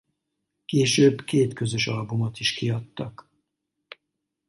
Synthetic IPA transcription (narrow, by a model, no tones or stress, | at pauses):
keːʃøːbkeːt̪kø̞zøʃɒlbumot̪iʃkiɒt̪ːɒk